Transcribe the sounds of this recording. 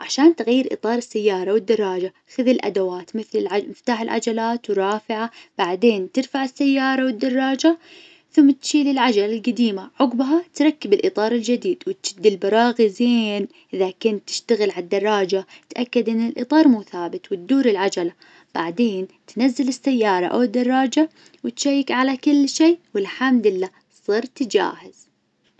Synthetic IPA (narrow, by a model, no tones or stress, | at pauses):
ʕaʃaːnt̪ɣajːɪɾʔɨ̰t̪ˤɑːɾˤɪsːajːɑːɾˤɑwɪd̪ːɑrˤːɑːd͡ʒa | xɪðɪlʔa̰d̪awaːt̪mɪθlɪlʕamɪft̪aːħɪlʕa̰d͡ʒalaːt̪wɾˤɑːfɪʕab̥aʕd̪eːnt̪ɪɾfaʕɪsːajːɑːɾˤɑwɪd̪ːɑrˤːɑːd͡ʒa | θʊmːat̪ʃiːlɪlʕad͡ʒalalɡad̪iːmaʕʊɡbɦat̪ɾˤɑkːɪbɪlʔɨt̪ˤɑːɾˤɪld͡ʒɪd̪iːd̪wɪt̪d͡ʒɪd̪ːɪlbɑɾˤɑːɣizeːn | ʔɪðakʊnt̪ːɪ̥ʃt̪aɣɪlʕad̪ːɑrˤːɑːd͡ʒat̪ʔakːad̪ʔɪnːɪlʔɨ̰t̪ˤɑːɾˤmuθaːbɪt̪wɪt̪̚d̪uːɾɪlʕad͡ʒala | b̥aʕd̪eːnt̪nazːɪlɪsːajːɑːɾˤɑ̰ʔa̰wɪd̪ːɑrˤːɑːd͡ʒa | wɪt̪ʃajːɪkʕalakɪlːʃeːwɪlħamd̪ɪlːaː | sˤɨɾt̪d͡ʒa̰ːhɪz̥